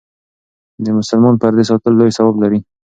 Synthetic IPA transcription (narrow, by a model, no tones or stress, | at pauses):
d̪əmʊsʊlmɑnpaɾd̪es̬ɑt̪əlːojsawɑblaɾi